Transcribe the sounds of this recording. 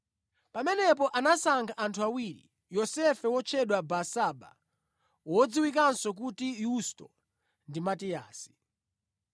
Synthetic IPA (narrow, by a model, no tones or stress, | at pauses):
pamɛnɛp̬ɔʔanasaŋɡʰaʔantʰuawiɾḭ | jɔsɛfɛwɔt͡ʃʰɛɗwabasaba̰ | wɔd͡ziwik̬ansɔk̬utijustɔ̰ | ndimatia̰ːsi̥